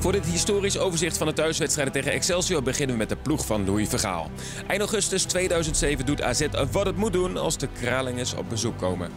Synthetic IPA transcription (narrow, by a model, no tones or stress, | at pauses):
vʊːɹdɪtɦɪstoːrisowvəɹzɪχtfɑndətœɥsʋɛtstrɛjdəntejχənɛksɛlˠsiowbəχɪnəʋəmɛt̚dəpluχfɑnluifəχa̰ːlˠ | ʔɛjntoχɵstəstʋejdœɥzəntsejvənduta̰ːzɛtʋɑtətmut̚dunɑ̰lˠzdəkraːlɪŋəsɔ̰p̚bəzukːowmə̰